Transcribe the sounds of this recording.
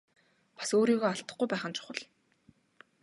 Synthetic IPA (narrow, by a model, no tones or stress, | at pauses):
pḁsoːɾiːɣoːaɬt̪ə̆χɡujpæːχə̆nt͡ɕʰʊ̥χə̆ɮ